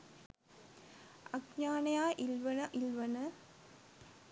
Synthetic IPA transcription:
ɐɡɲaːnɐjaːʔilʋɐnɐʔilʋɐnɐ

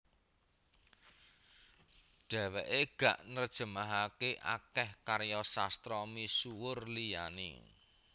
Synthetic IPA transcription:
ɖ̥ɛ̤wɛʔeɡ̥ä̤ʔnərd̥ʒ̥ə̤maɦakeʔa̰kɛhkaɾjɔsast̪ɾɔmisuwʊrlija̰nḭ

